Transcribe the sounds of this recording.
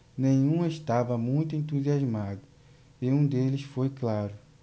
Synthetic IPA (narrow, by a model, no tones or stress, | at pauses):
nẽɲ̃ũeʃt̪avɐmũj̃t̪ʊẽnt̪̬uziazmad̪ʊ | ɪũd̪elɪsfojklaɾʊ